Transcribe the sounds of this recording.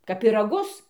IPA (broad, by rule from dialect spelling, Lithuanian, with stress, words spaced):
kɐp pʲɪrɐˈɡʊs